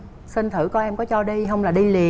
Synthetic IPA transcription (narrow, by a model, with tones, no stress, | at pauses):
si˧nt̪ʰɨ̰˧˩kɔ˨˦ʔɛ˧mkɔ˨˦t͡ɕɔ˧ɗi˧ɦə˧wŋ͡mlaː˨˩ɗi˧li˨˩ə